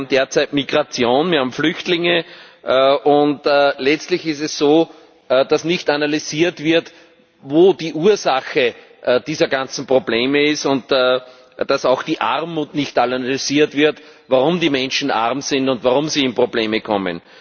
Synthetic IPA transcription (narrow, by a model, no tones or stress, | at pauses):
m̩d̥eːɐt͡sæɪtmiɡʁat͡sjoːnviɪɐhaːbm̩flʏçtlɪŋə | ʔʊntːlɛt͡stlɪçɪstɛssoː | d̥asnɪçtanalyziːɐtv̥ɪɐt | voːdiːʔuːɐzaxə | d̥iːzɐɡant͡sn̩pʁ̥obleːməɪstʊntː | d̥asaʊxd̥iːʔa̰ʁmːuːtnɪçtalanalyz̥iːɐtvɪɐt | vaʁʊmdiːmɛ̃nʃn̩ʔa̰ʁmsɪ̃ndʊntvaʁʊmsiːɪnpʁobleːməkʰɔmə̰n